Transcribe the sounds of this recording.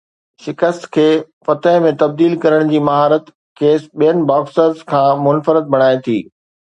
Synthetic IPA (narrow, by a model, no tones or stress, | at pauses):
ʃɪkəst̪kʰeːfɐt̪əɦmẽt̪ɐb̚d̪iːlkɐɾəɽ̃d͡ʑiːmɐɦaːɾət̪ | keːsɓijənɪ̆baːksəɾzkʰãːmʊnfəɾɪt̪̚bʱɐɽ̃aːet̪ʰḭː